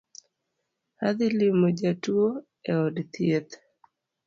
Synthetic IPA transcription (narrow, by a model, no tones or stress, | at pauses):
had̪ɪlɪmod͡ʒatuo | eɔdt̪jet̪